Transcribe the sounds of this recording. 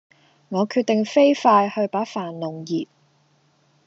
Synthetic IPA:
ŋɔː˨˧kʰyː˧t̪̚ɪ˨ŋfe˥jfaː˧jhɵ˧ɥpaː˨˥faː˨˩nlʊ˨˩ŋjiː˨t̚

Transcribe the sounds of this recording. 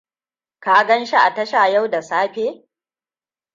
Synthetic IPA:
kaː˨ɡɐ˦nʃi˦ʔa˨tɐ˦ʃaː˨ja˦wda˨saː˦ɸeː˦

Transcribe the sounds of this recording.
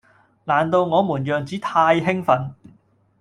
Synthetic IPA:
laː˨˩nt̪o˧wŋɔː˨˧muː˨˩njœː˨˩ŋt͡siː˨˥t̪ʰaː˧jɦɪ˥ŋfɐ˨˥n

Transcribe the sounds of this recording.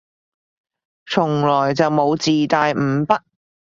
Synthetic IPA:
t͡sʰʊ˨˩ŋlɔː˨˩jt͡sɐ˨wmo˨˧wt͡siː˨t̪aː˨jm̩ː˨˧˥pɐ˥t̚

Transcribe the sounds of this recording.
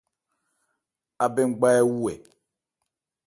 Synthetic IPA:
a˨be˦˨ŋ̩˦˨ɡ͡ba˦ɛ˦wu˦ɛ̰˨

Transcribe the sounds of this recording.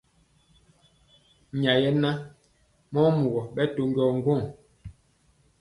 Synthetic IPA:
ɲa˨jɛ˦na˦ | mɔ˦mu˨ɣɔ˨ɓɛ˦to˨ŋ˦ɡɔ˦˨ŋ˦ɡwo˦˨ŋ

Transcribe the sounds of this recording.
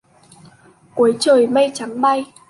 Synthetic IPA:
ku˨˦əjt͡ɕəː˨˩jmə˧jt͡ɕa˨˦ŋɓa˧j

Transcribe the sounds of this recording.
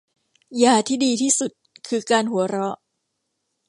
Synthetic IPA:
jaː˨˩t̪ʰiː˥˩diː˧t̪ʰiː˥˩su˨˩t̪̚kʰɯː˧kaː˧nhu˩˦ɐɾɔ˦˥ʔ

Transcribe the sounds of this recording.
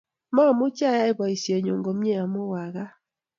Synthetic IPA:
mɔ˦˨mʊ˦t͡ʃa˦˨ja˦ɪ˦bɔ˨i˨sje˨ɲo˨ŋɡo˨mje˦a˨mo˦wa˨ɣa˦

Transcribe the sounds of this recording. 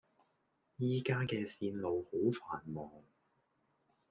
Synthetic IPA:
jiː˨˧kaː˥kɛː˧siː˧nlo˨˧who˨˥wfaː˨˩nmɔː˨ŋ

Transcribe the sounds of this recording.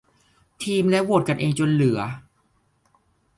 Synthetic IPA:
t̪ʰiː˧mlɛ˦˥wo˨˩t̪̚ka˧nʔeː˧ŋt͡ɕo˧nlɯ˩˦ɐ

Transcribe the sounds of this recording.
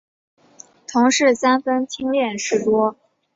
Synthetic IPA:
t̪ʰʊ˧˥ŋʂɻ̩˥˩sa˥nfə˥nt̪ʰi˥ŋljɛ˥˧˩nʂɻ̩˥˩t̪wɔ˥

